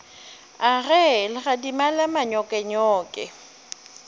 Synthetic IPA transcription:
aɣɛlɪɣadimalamaɲɔkʼɛɲɔːkʼɛ̰

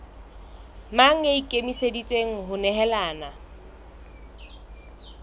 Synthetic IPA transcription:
maŋ̩eikʼemisedit͡sʼeŋ̩ɦʊnɛɦɛlaːna

